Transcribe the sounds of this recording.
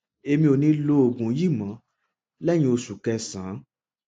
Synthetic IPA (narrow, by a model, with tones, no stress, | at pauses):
e˧mĩ˧o˨nĩ˧˦lo˧˦o˨ɡũ˨˦ji˦˨mã˨˦ | lɛ˦j̃ĩ˧o˧su˨kɛ˧sã˨˦